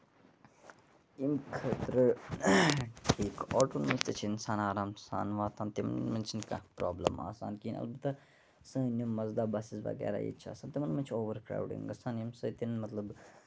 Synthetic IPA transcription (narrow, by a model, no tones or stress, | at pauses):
imkʰɐt̪ɾɨ | ʈʰiːkɔːʈoːnmɐist̪ɐt͡ʃʰiɪnsaːnaːɾaːmsa̰ːnʋaːt̪ʰaːnt̪imɐ̰nnmɐnʲt͡ʃʰinka̰pɾa̰ːblə̰ma̰ːsa̰ːnkiːnɐ̰lbɨt̪ːɐ | sɨ̃nʲimɐzd̪aːbaːsisʋɐ̰ɡɛ̰ːɾa̰ːjḭːt͡ʃʰia̰ːsaːnt̪imɐnmɐnʲt͡ʃʰoːʋəɾkɾa̰ːwɖḭŋɡɐsaːnimsɐːt̪inmɐt̪lɐb